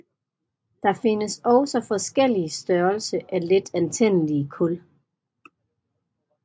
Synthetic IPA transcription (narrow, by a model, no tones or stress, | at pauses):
d̥ɑ̈fe̝nəsɒʊsɒ̽fɒ̽sɡ̥el̰isd̥ɶɐlsəʔæle̝d̥ænt͡sʰen̰əliəkʰɔl